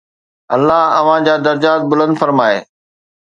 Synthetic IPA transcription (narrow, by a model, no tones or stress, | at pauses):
ɐlːaɦɐʋ̤ãd͡ʑaːd̪ɐɾd͡ʑaːt̪̚bʊlə̃nd̪fɐɾmaːḛː